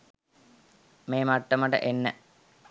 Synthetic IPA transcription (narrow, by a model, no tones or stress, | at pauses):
meːmaʈ̪ːɐməʈə̰ʔenːə